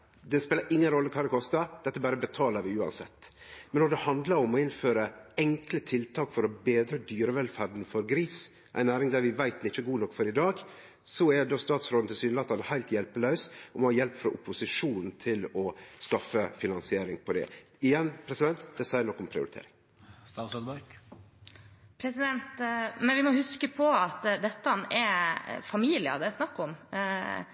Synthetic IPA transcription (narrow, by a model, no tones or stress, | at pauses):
d̪ɛspeːləɾʔɪŋːənɾɔlːəkʰɑːɾd̪ɛkʰɔst̪əd̪ɛt̪ːəbæːɾəbət̪ʰɑːləɾʋɪʉːɑ̰nsɛt̪ːmɛnːɔɖ̪ɛhɑnd̪ləɾɔmɔɪnføːɾəɛŋklət̪ʰɪlt̪ʰɑːkfɔɾɔbeːd̪ɾəd̪yːɾəʋɛlfæɾɖn̩fɔɾɡɾiːs | ʔæ̰ɪnæːɾɪŋd̪æɾʋɪʋæɪt̪nɪt͡ʃːəɡuːnɔkːfɔɾɪd̪ɑːɡ | sɔɛd̪oːst̪ɑːt̪sfɾɔnn̩t̪ʰɪlsyːd̪əlɑt̪ːɑnəhæɪlt̪jɛlpəlœʉsɔmɔhɑjɛlpfɾɔʔʊpːʊsɪʂuːnn̩t̪ʰɪlɔskɑfːəfɪnɑnsɪeːɾɪŋpʰɔd̪ɛ̰ | ɪjɛnpʰɾɛsɪd̪ɛnt̪d̪ɛsæɪənɔkːɔmpʰɾɪʊ̰ɾɪt̪ʰḛːɾɪŋ | st̪ɑːsød̪bɑɾk | pʰɾɛsɪd̪ɛnt̪mɛnʋɪmɔhʉskəpʰɔɑt̪d̪ɛt̪ːəɑnɛfɑmiːlɪə̰d̪ɛæsnɑkːɔm